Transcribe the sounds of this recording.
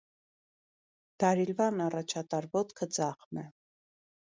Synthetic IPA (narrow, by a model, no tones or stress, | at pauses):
d̪̥ɑɾilvɑnɑrɑt͡ʃʰɑt̪ɑɾvɔt̪kʰəd͡zɑχmɛ